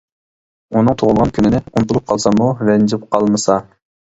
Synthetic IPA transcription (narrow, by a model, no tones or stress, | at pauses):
unɨŋt̪ʰoʁʊlˠʁɑnkʲʰynɪnɪunt̪ʰulˠup̚qʰɑlˠsɑmuvɛnd͡ʒɪp̚qʰɑlˠmɨsɑ